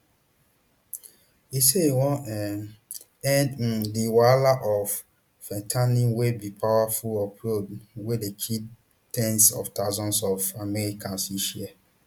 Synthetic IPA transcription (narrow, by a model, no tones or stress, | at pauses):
iseiwɔ̃ɛ | ɛ̃nddiwalaʔɔfː | ɛ̃tʰanĩwebipʰawafulɔpʰɹodwedekʰi | tɛ̃nsɔ̰ftaʊzɔ̃nsɔfamɛɹikʰãnsiʃiɛ